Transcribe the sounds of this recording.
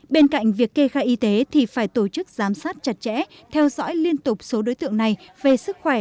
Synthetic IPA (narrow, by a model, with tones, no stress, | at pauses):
ɓe˧nka̰˧˨jŋ̟vi˨˩əkːe˧xaː˧jʔi˧t̪e˨˦t̪ʰi˨˩faː˧˩jt̪o˧˩t͡ɕɨ˦˥k̚zaː˨˦msaː˦˥t̚t͡ɕa˨˩t̚t͡ɕɛ̰˧˥ | t̪ʰɛ˧wzɔ̰˧˥jli˧ənt̪ʊ˨˩k͡p̚so˨˦ɗo˨˦jt̪ɨ̰˧˨əŋna˨˩jve˨˩sɨ˦˥k̚xwɛ˧˩